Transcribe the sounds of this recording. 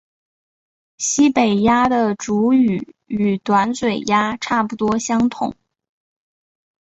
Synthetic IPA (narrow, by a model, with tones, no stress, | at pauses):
ɕi˥pe˨˩ɪja˥d̪ə˨ʈ͡ʂu˧˥y˨˩y˨˩t̪wa˧˥nswe˨˩ɪja˥ʈ͡ʂʰa˥˩pu˨˩t̪wɔ˥ɕjɑ˥ŋt̪ʰʊ̰˨˩˦ŋ